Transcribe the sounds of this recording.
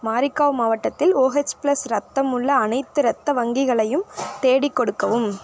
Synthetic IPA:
maːɾɪkːaːʋmaːʋɐʈːɐt̪ːɪloːɦɛt͡ʃpɪlɐsɾɐt̪ːɐmɯɭːɐːnɐɪt̪ːɯɾɐt̪ːɐʋɐŋɡɪɣɐɭɐjɯmt̪eːɽɪkːɔɽɯkːɐʋɯm

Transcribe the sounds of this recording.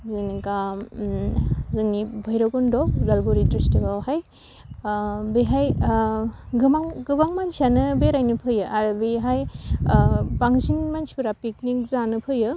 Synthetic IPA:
zɯnika | zɯŋibʱɯjɾɔɡɔndɔzaɾɡoɾitestebawhaj | beɦaj | ɡɯmaŋɡɯbaŋmansianɯbeɾajnɯpʰɯjɯʔaɾbeɦaj | baŋsinmansibɯɾapik̚nik̚zanɯpʰɯjɯ

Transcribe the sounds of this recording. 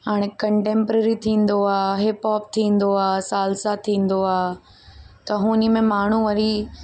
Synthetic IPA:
haːɽ̃ekɐ̃ɳʈẽːmpɾəɾit̪ʰĩːn̆d̪oaːɦɪpɔːp̚t̪ʰĩːn̆d̪oaːsaːlsat̪ʰĩːn̆d̪oaː | t̪ɐɦũːnimẽmaːɳ̤ũʋɐɾi

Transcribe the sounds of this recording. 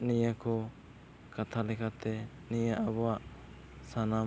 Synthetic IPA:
nijakɔ | kat̪ʰalɛkʰat̪ɛ | nijaʔabɔwaʔ | sana

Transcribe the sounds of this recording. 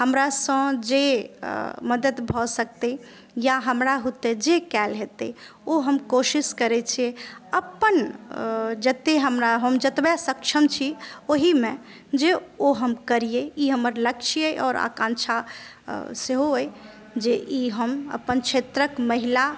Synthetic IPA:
həmɾasə̃d͡ʒe | məd̪ət̪bʱɔsək̚t̪e | jaɦəmɾaɦut̪ed͡ʒekɛlɦet̪e | oɦəmkoʃiskəɾɛt͡ʃʰijeəpːən | d͡ʒət̪ːeɦəmɾaɦəmd͡ʒət̪bjasəkt͡ʃʰəmt͡ʃʰioɦimẽ | d͡ʒeoɦəmkəɾijeiɦəməɾləkt͡ʃʰiəʔɔ̰ːɾa̰kãnt͡ʃʰa | seɦooj | d͡ʒeʔiɦəmə̰pənt͡ʃʰet̪ɾəkməɦila

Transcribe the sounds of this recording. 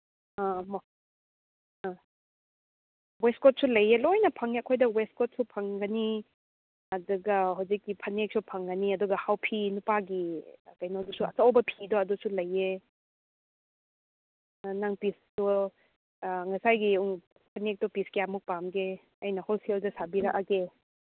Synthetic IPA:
am | westkot̚sulɐjelojnɐpʰɐŋiɐkʰojdɐwestkot̚supʰɐŋɡɐni | ɐduɡɐɦawzikːipʰɐnek̚supʰɐŋɡɐniɐduɡɐhawpʰinupaɡikɐjnowdusuɐt͡ʃawbɐpʰidɔɐdusulɐjːe | naŋpissu | ŋɐsajɡiuŋ | pʰɐnek̚tɔpiskiamuk̚pamɡe | ɐjnɐholseldɐsabiɾɐkʔake

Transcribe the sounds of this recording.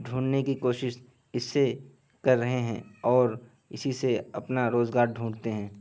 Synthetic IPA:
ɖʱũːɳnekikoːʃɪʃ | ɪsːe | kɐɾːɐɦeɦɛ̰̃ɔːɾ | ɪsiseɐpnaɾoːzɡaːɾɖʱũːɽt̪eɦɛ̃ː

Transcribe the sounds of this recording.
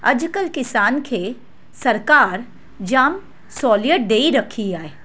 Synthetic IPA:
ɐd͡ʒkəlkɪsaːnkʰe | sɐɾkaːɾ | d͡ʒaːm | sɔːliəʈ̚ɖeːiɾɐkʰiaːe

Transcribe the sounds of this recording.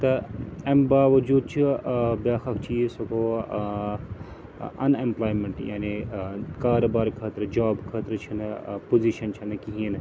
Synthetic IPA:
t̪ɐɐmbaːʋɐd͡ʒuːd̪̚t͡ʃʰibjaːxɐkt͡ʃʰiːsokoː | ɐ̰nemplaːjmeɳʈja̰ːnikaːɾoːbaːɾkʰaːt̪ɾd͡ʒaːbkʰaːt̪ɾt͡ʃʰɐnpoziʃɐnt͡ʃʰinɨkiɦin

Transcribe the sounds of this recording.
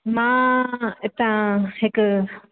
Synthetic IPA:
mãːɪt̪ãhɪk

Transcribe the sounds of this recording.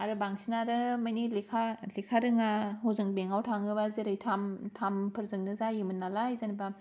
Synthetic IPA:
aɾɯbaŋsinaɾɯmajnilekʰalikʰaɾɯŋaɦɔzɯŋbeŋawtʰaŋɯbazeɾɯjtʰamtʰampʰɯɾzɯŋnɯzajimɯnːalajzanba

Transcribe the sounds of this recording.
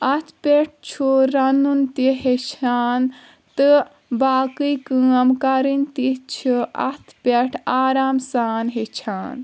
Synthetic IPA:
ɐt̪ʰpʲeʈ̚ʰt͡ʃʰuɾɐnunt̪iɦet͡ʃʰaːn | t̪ɨ | baːkɨjkɨɐmkɐɾint̪it͡ʃʰiɐ̰t̪ʰpʲeʈʰaːɾaːmsaːnɦet͡ʃʰaːn

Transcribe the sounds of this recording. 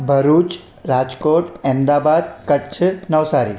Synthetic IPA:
bʱɐɾuːt͡ʃ | ɾaːd͡ʒkoːʈeːmd̪aːbaːd̪kəʈt͡ʃʰnɐʋsaːɾḭː

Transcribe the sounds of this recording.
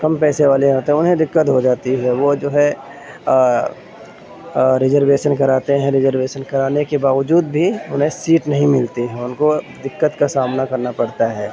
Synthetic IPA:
kɐmpɛːseʋaːleaːt̪eɦʊnɦẽd̪ɪkːət̪ɦod͡ʒaːt̪iɦɛʋod͡ʒoːɦɛ | ɾɪzəɾʋeːʃənkɐɾaːt̪eɦɛ̃ɾɪzəɾʋeːʃənkɐɾaːnekebaːʋəd͡ʒuːd̪̚bʱiʊnɦẽsiːʈnɐɦĩmɪlt̪iɦɛ̃ʊnko | d̪ɪkːət̪kasaːmnakɐɾnapɐɽt̪aɦɛː

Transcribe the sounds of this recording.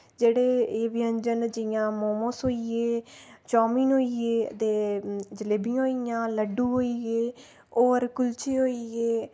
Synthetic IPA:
d͡ʒeːɽeːeːʋɪəɲd͡ʒənd͡ʒɪjãːmoːmõːsɦoːieːt͡ʃɔːmiːnɦoːiːeːət̪eːd͡ʒəleːbijãːɦoijãːləɖuːɦoːiɡeː | oːəɾkʊlt͡ʃeːɦoːiːɡeː

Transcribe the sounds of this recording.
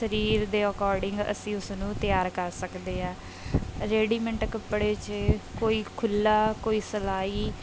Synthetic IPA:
səɾiːɾd̪eːəkɔːɾɖɪŋɡə̰sĩːʊsnũːt̪ɪjaːɾkəɾsəkd̪eːɦɛ̃ː | ɾeːɖiːmə̃ɳʈkəpːɽeːt͡ʃkoːiːkʰʊlːaːkoːiːsəlaːiː

